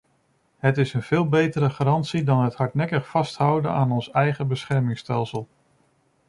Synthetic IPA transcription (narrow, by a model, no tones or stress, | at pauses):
ɦətɪsənv̥ɪːlˠbejtəɾəχaɾɑntsidɑnɦətɦɑɹtnɛkəχfɑstɦʌwdə̰naːnɔnsɛjχəbəsχɛɹmɪŋstɛlˠsəlˠ